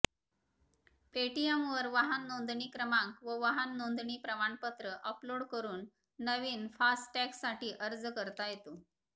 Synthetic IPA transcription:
peʈijemʋəɾʋaɦənːond̪ɳiːkɾəmãŋkʋəʋaɦənːond̪ɳiːpɾəmaɳpət̪ɾəʔəploɽkəɾuːnː | əʋiːnfasʈʈɛksːaʈiːʔəɾd͡zkəɾt̪ajet̪o

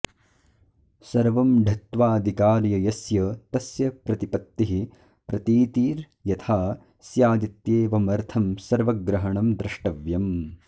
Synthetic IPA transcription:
sɐɾʋɐmɖʱɐt̪ʋaːd̪ʱikaːɾjɐjɐsjɐt̪ɐsjɐpɾɐt̪ipɐt̪ːiɦi | pɾɐt̪iːt̪iːɾ | jɐt̪ʰaː | sjaːd̪it̪jeːʋɐmɐɾt̪ʰɐmsɐɾʋɐɡɾɐɦɐɳɐmd̪ɾɪʂʈɐʋjɐm

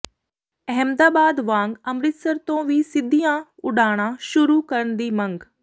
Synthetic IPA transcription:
ɛɦəmd̪aːbaːd̪ʋãːŋɡəmɾɪt̪səɾt̪õːʋiːsɪd̪ʱːijãʊɖaːɽ̃aʃʊɾukəɾəɳd̪iːmə̃ŋɡ

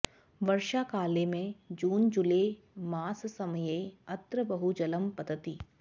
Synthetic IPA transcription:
ʋɐɾʃakaːlemẽd͡ʒuːnd͡ʒʊle | maːssɐməjeɐt̪ɾəbɐɦud͡ʒɐləmpɐd̪ət̪iː

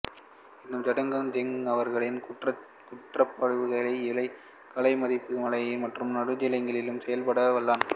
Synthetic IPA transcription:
ɪnːɯmd͡ʒɐɽɐŋɡɐnd͡ʒɛŋɐʋɐɾɣɐɭɪnrɐ | kʊʈrɐpːɐɻɯʋɯɣɐlɐɪɪlɐɪ | kɐlɐɪmɐðɪpːɯmɐɭɐjɐmɐʈrɯmnɐɽɯd͡ʒɪlɐɪŋɡɐɭɪlɯmsɛjɐlpɐɽɐʋɐɭːaːn

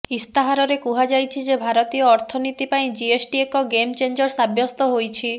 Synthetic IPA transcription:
ist̪aɦaɾɔɾekuɦad͡ʒajt͡ʃʰid͡ʒebʱaɾɔt̪ijɔːɾt̪ʰɔnit̪ipaĩd͡ʒiesʈiekɔɡemt͡ʃend͡ʒɔɾsabjɔst̪ɔɦojt͡ʃʰi

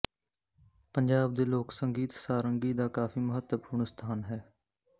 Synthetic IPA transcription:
pəɲd͡ʒaːb̚d̪eːloːksəŋɡiːt̪saːɾəŋɡiːd̪aːkaːfiːmʊɦət̪əpuːɾɳst̪ʰaːnɦɛː

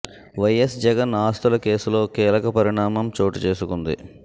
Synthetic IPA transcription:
ʋɐjesd͡ʒɛɡɐnaːst̪ɐlɐke̞ːsulo̞ːkiːlɐkɐpɐɾiɳaːmɐmt͡ʃo̞ːʈit͡ʃe̞ːsukund̪ḭ

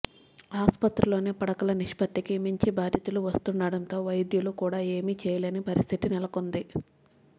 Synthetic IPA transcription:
aːspɐt̪ɾulo̞ːneːpɐɽɐkɐlɐniʂpɐt̪ːikimiɲt͡ʃibaːd̪ʱjit̪uluʋɐst̪unːaːɽɐnt̪o̞ːʋɐjd̪julukuːɽaːe̞ːmiːt͡ʃɛːjɐleɐnipɐɾist̪ʰit̪inɛlɐkond̪i

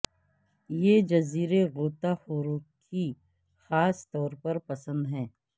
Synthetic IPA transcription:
jed͡ʒɐziːɾeɣoːt̪axoːɾõːkʰi | xaːst̪ɔːɾpɐɾpɐsə̃nd̪ɦɛ̃ː

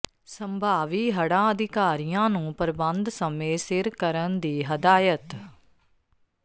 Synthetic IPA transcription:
səmbʱaːʋiːɦəɽãːəd̪ɪkaːɾijãːnũːpəɾbənd̪səmeːsɪɾkəɾənd̪iːɦəd̪aːjət̪

